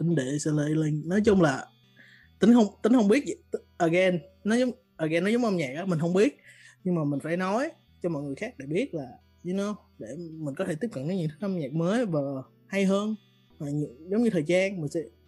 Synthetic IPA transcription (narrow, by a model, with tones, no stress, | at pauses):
t̪ï˨˦ŋ̟ɗḛ˧˨sə˧le˧lï˧ŋ̟nɔ˨˦jt͡ɕʊ˧ŋ͡mlaː˨˩ | t̪ï˨˦ŋhə˧wŋ͡mt̪ï˨˦ŋhə˧wŋ͡mɓi˦˥ət̚t̪ʔəː˨˩ɣɛ˧nːɔ˨˦zʊ˨˦ŋ͡m | ʔəː˨˩ɣɛ˧nːɔ˨˦zŋ͡mʔə˧mɲɛː˨˩k̚ʔaː˨˦mï˨˩ŋ̟hə˧wŋ͡mɓi˦˥ət̚ɲɨ˧ŋmaː˨˩mï̟˨˩faː˧˩jnɔ˨˦j | t͡ɕɔ˧mɔ̰˧˨jŋ˨˩əjxaː˦˥k̚ɗḛ˧˩ɓi˦˥ət̚laː˨˩ | zɨ˧no˧w | ɗe˧˩mï˨˩ŋ̟kɔ˨˦t̪ʰe˧˩t̪i˦˥p̚kə˧˨nkə˨˦ɲɨ̰˧˥t̪ʰɨ̥˦˥kʔə˧mɲɛː˨˩k̚məː˨˦jvaː˨˩ | ha˧jɦəː˧n | maː˨˩ɲɨ˧˨zə˨˦wŋ͡mɲɨ˧t̪ʰəː˨˩jzaː˧nmï̟˨˩sɛ̰˧˥